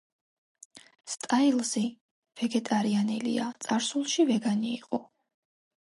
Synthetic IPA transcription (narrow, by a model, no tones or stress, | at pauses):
st̪ʼailˠzi | v̥ɛɡɛt̪ʼaɾianɛlḭat̪sʼaɾsulˠʃivɛɡaniːqʼɔ